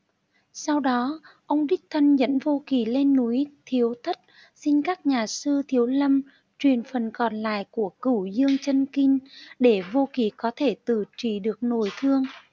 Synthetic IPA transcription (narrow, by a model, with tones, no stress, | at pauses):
sa˧wɗɔ˨˦ʔə˧wŋ͡mɗï˦˥k̚t̪ʰə˧nzə̰˧˥nvo˧ki˨˩le˧nːu˨˦jt̪ʰi˨˦əwt̪ʰə˦˥t̚ | si˧ŋkaː˦˥k̚ɲaː˨˩sɨ˧t̪ʰi˨˦əwlə˧m | t͡ɕwi˨˩ənfə˨˩nkɔ˨˩nla̰ː˧˨jku˧˩əkɨ˧˩zɨ˧əŋt͡ɕə˧nki˧ŋɗe˧˩vo˧ki˨˩kɔ˨˦t̪ʰe˧˩t̪ɨ˧˩t͡ɕi˧˩ɗɨ˨˩ək̚no˧˩jt̪ʰɨ˧əŋ